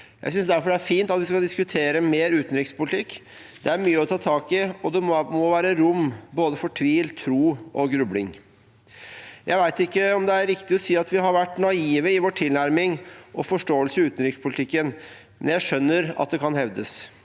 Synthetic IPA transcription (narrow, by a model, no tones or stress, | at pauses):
jæɪsʏnsd̪æɾfɔɖɛæɾfiːnt̪ɑt̪ʋɪskɑld̪ɪskʉt̪ʰeːɾəmeːɾʉːt̪n̩ɾɪkspʊlɪt̪ʰɪkː | d̪̥ɛæɾmyːəɔt̪ʰɑːt̪ʰɑːkɪɔd̪ɛmɔʋæːɾəɾʊmboːd̪əfɔʈʰʋiːlt̪ʰɾuːʔɔɡɾʉblɪŋ | jʔæɪʋæɪt̪ɪkːəɔmd̪ɛæɾɾɪkt̪ɪɔsiːɑt̪ʋɪɦɑɾʋæʈːnɑiːʋəɪʋɔʈʰɪlnæɾmɪŋʔɔfɔʂʈoːəlsəɪʉːt̪ən̩ɾɪkspʰʊlɪt̪ʰɪkːən | mɛ̰njæɪʂœnːəɾɑ̰t̪̚d̪ɛkʰɑnhɛʋd̪ə̰s